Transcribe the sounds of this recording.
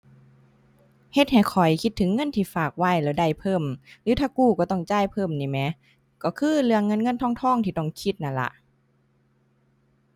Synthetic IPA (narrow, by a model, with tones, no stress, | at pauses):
he˧t̪̚ha˨˩jkʰɔ˨˩jkʰi˧t̪ʰːɯ˨˦ŋːɤ˧˥˨nt̪ʰiː˧˩faː˨˩k̚wa˧˩˨jlɛː˧˩da˧˩jpʰɤː˧˥˨mlɯː˧˦t̪ʰaː˧˩kuː˧˩kɔː˧˩t̪ɔ˧˩ŋt͡ɕaː˧˥˨jpʰɤː˧˩˨mniː˧˩mɛ˧˥ | kɔː˧˩kʰɯː˧˥˨lɯ˧˨əŋːɤ˧˥˨nŋɤ˧˥˨nt̪ʰɔː˧˥˨ŋt̪ʰɔː˧˥˨ŋt̪ʰiː˧˩t̪ɔ˧˩ŋkʰi˧t̪̚na˧˩nla̰˧ʔ